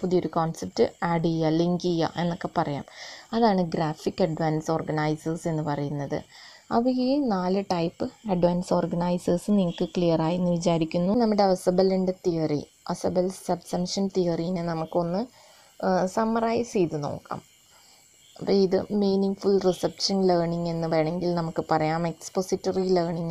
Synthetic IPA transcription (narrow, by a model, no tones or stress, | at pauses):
puðijo̞ɾukoːnsep̚ʈːɨɐɽijɐliŋɡijɐ̰ʔe̞nːokːe̞pɐrɐja̰ːmɐðaːɳɨɡɾaːfikːɐɖʋaːnso̞ːrɡɐnajsɐrse̞nːɨpɐrɐjunːɐðɨ̰ | ɐʋɨinaːlɨʈɐjpːɨɐɖʋaːnso̞ːrɡɐɳajsɐrsɨniŋːɐɭkːɨklijɐraːjunːɨʋit͡ɕaːɾikʲːunːunɐmːiɽeʋɐsɐbɐliɳɖet̪ijɐrḭ | ʔɐ̰sɐbɐlsɐbsɐmʂɐnt̪ijɐrijinɨnɐmukːo̞nːɨ | sɐmɐraːjsiːt̪ɨno̞̰ːkːa̰ːm | ɐpːiiðɨmiːniŋɡfulrisɐpʂɐnleːrɳiŋe̞nːɨʋeːɳeŋɡilnɐmukːɨpɐrɐjaːme̞kspo̞sitːɐrileːrɳiŋː